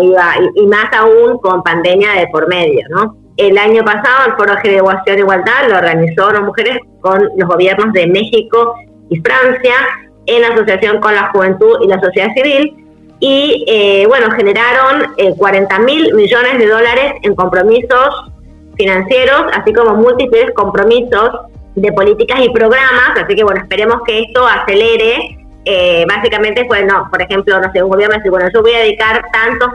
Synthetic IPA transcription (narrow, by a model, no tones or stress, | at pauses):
iβaiʔːmasauŋko̞mpand̪e̞mjaðepo̞ɾme̞ðjo̞no̞ | elaɲo̞pasaðoelfo̞ɾoðexeɾeɣwasjo̞neiɣwald̪aðloːɾɣanisolosmuxe̞ɾesko̞nlo̞zɣo̞β̞je̞ɾno̞zðe̞me̞xiko̞ | ifɾansja | enaso̞sjasjo̞ŋko̞nlaxuβe̞nt̪uðilasosjeð̞asiβ̞il | ieβwe̞no̞xeneɾaɾo̞nekwaɾent̪amilmiʒo̞ne̞zðe̞ð̞o̞laɾe̞se̞ŋko̞mpɾo̞miso̞s | finãnsje̞ɾo̞sa̰siko̞mo̞mult̪iplesko̞mpɾo̞miso̞sðe̞po̞lit̪ikasipɾo̞ɣ̞ɾamasasike̞βwe̞noespe̞ɾemo̞skeest̪o̞ase̞leɾe | eβasikament̪epwenopoɾexe̞mplonoseuŋɡoβjeɾnoðsiɾβwenoʒo̞βo̞jaðeðikaɾt̪ant̪os